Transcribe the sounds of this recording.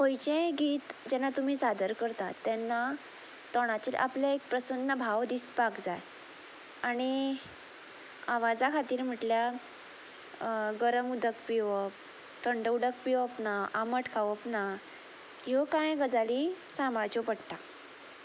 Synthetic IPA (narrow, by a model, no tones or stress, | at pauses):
ɦojt͡ɕẽɡiːt̪d͡ʑɛnːat̪um̤iːsad̪ʱəɾkəɾt̪at̪ːɛnːa | t̪ɔɽ̃at͡ɕiːlʔa̰pljaek̚pɾəsənːəbʱaʋd̪ispakd͡za | aɽ̃i | aʋad͡zakʰat̪iːɾm̤əʈlja | ɡəɾəmud̪ʱəkpiʋəp | ʈəɳɖəuɽəkpiʋəpnaʔaməʈʰkʰaʋəpna | jokãjɡəd͡zalisamaɾt͡ɕopəɽʈ̪a